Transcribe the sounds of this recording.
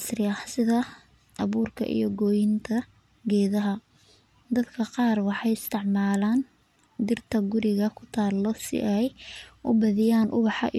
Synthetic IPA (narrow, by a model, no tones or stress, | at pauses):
srɪɐhsɪðɐ | ʔɑβuːrkʰɐ̰ʔḭjɔɡɔːjɪnt̪ʰɐ | ɡɛːðɐɦɐ | d̪ɐd̪kʰɐqɑːrwɑħɑjɪst̪ʰɪʕmaːlaːn | d̪ɪrt̪ʰɐɡʊɾɪɣɐkʰʊ̥t̪ʰaːlːɔsɪ̰ʔɛjʔʊbɐðɪjaːnʔʊ̰βɑħɑ̰ʔ